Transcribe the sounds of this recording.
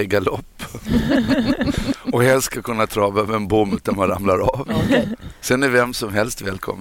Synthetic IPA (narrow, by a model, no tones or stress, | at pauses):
ɡalɔpː | ɔhɛlsskakʰɵnːat̪ʰɾɑːvøvəɛnbʊmːtd̪amanɾamlaɾav | sɛnɛvɛmsɔmɦɛlst̪vɛːlkʰɔ̰mː